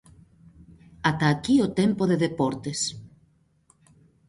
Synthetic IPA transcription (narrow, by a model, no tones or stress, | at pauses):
at̪aːkiot̪empoðeðepɔɾt̪es